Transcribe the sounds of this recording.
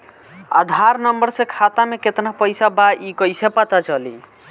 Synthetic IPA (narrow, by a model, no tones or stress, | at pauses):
a̰d̪ʱaɾnəmbəɾsẽkʰat̪ameket̪napəjsabaʔikəjsepat̪at͡ʃəli